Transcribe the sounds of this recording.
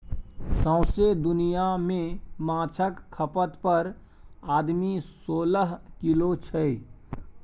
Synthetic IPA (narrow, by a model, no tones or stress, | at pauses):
sə̃ʊsed̪ʊnijamẽmãːt͡ʃʰəkkʰːəpət̪pəɾ | aːd̪misoːləɦkɪlot͡ʃʰəi